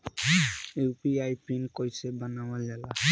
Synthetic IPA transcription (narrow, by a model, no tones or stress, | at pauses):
ewpiajpʰinkojsɛbanawazala